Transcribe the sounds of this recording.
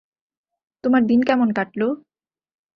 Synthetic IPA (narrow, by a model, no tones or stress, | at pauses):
t̪omaɾd̪inkɛmonkaʈlo